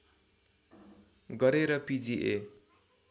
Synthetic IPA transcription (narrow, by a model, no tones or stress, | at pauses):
ɡʌɾeɾʌpid͡ziʔe